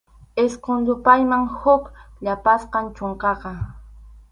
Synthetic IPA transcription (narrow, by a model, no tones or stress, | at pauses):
ɪsqoŋʎʊpajmaŋhʊkʎapasqɑnt͡ʃoɴqɑqɑ